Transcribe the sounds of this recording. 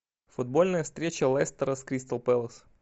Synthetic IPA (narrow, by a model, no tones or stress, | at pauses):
fʊd̪̚bo̞lʲnəjəst̪ɾʲet͡ɕəlˠɛst̪əɾəskɾʲist̪əlˠpɛlˠəs